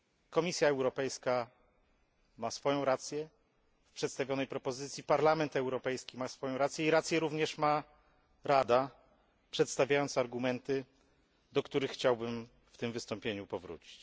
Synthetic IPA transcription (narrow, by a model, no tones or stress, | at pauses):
kɔmʲisʲjaɛwɾɔpɛjska | masfɔjɔ̃w̃ɾat̪sʲjɛ | fpʂɛt̪st̪avʲjɔnɛjpɾɔpɔzɘt̪sʲipaɾlamɛnt̪ɛwɾɔpɛjskʲimasfɔjɔ̃w̃ɾat̪sjɛiɾat̪sʲjɛɾuvɲɛʂma | ɾad̪a | pʂɛt̪st̪avʲajɔnt̪saɾɡumɛnt̪ɘ | d̪ɔkt̪uɾɘxːt͡ɕawbɘm | ft̪ɘmvɘst̪ɔ̃mpʲjeɲupɔvɾṵt͡ɕi̥t͡ɕ